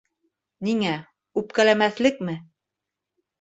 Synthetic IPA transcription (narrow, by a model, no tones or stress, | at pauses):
niŋæ | ʉpkælæmæθlɘk̚mɘ